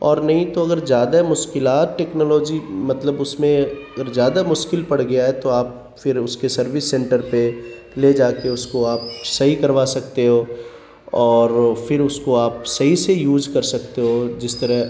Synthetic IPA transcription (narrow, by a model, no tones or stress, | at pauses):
ɔːɾnɐɦĩt̪oɐɡəɾzjaːd̪amʊʃkɪlaːt̪̚ʈɛːknɔːlɔːd͡ʒimɐt̪ləbʊsmẽɐɡəɾzjaːd̪amʊʃkɪlpɐɽ̤ɡɐjaɦɛt̪oaːp̚ | fɪɾʊskesɐɾʋɪsːɛ̃ːɳʈəɾpe | led͡ʒaːkeʊskoaːp̚sɐɦikɐɾʋaːsɐkt̪eɦoː | ɔːɾfɪɾʊskoaːpsɐɦisejuːzkɐɾsɐkt̪eɦod͡ʒɪst̪ɐɾəɦ